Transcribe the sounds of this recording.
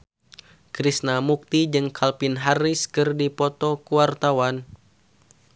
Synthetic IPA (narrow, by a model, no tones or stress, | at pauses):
kɾisnamuk̚t̪id͡ʒɨŋkʰalpɪnɦariskɨrdipɔt̪ɔkuwart̪awan